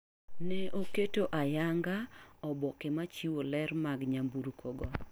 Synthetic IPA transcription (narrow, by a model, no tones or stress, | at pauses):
nɛʔoketoʔajaŋɡaɔbɔkemat͡ʃiwolɛrmaɡɲambuɾukʰoɡɔ